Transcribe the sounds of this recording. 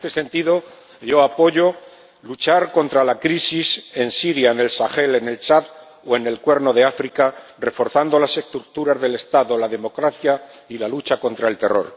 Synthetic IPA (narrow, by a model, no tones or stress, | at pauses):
t̪ese̞nt̪iðo̞ | jo̞apo̞ʝo̞ | lut͡ʃaɾko̞nt̪ɾalakɾisise̞nsiɾjaene̞lsaxe̞le̞ne̞lt͡ʃað | oe̞ne̞lkwe̞ɾno̞ð̞e̞afɾikare̞fo̞ɾθand̪o̞lase̞st̪ɾuk̚t̪uɾazðe̞le̞st̪aðo̞laðe̞mo̞kɾaθjailalut͡ʃako̞nt̪ɾae̞lt̪e̞ro̞̰ɾ